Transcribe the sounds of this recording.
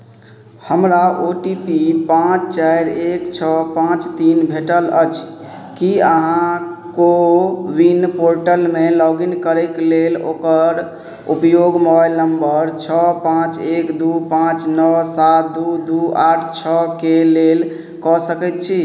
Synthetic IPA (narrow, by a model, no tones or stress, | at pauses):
həmɾaoʈipipãt͡ʃt͡ʃajɾekt͡ʃʰɔpãt͡ʃt̪inbʱeʈələ̰t͡ʃʰ | kiəɦãkowinpoɾʈəlmelɔɡinkəɾɛklelokəɾ | upjoɡmobajlnəmbəɾt͡ʃʰɔpãt͡ʃekd̪upãt͡ʃnəsat̪̚d̪ud̪uaʈʰt͡ʃʰɔkelel | kɔsəkɛt̪t͡ʃʰi